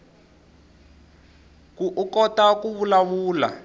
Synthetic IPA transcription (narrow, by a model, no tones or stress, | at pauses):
kuʔukɔtakuβulaβuːla̰